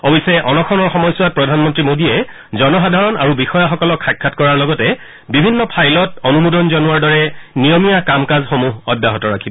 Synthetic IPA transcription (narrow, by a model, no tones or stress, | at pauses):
obisɛʔɔnɔkʰɔnɔɹxɔmɔjsuwat̚pɹɔdʱanmɔntɹimodiɛ | zɔnɔxadʱaɹɔna̰ɹubixɔjaxɔkɔlɔkʰxajkʰːatkɔɹaɹlɔɡɔtɛ | bibʱinːɔpʰajlɔtɔnumodɔnzɔnuaɹdɔɹɛnijɔmijakamkazxomuɦɔdːaɦɔtɔɹakʰibɔ